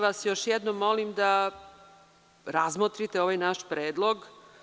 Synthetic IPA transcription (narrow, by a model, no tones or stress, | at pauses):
ʋasjoʃjɛd̪nomːo̞limd̪a | ɾazmot̪ɾit̪eoʋajnaʃpɾeːd̪lˠoɡ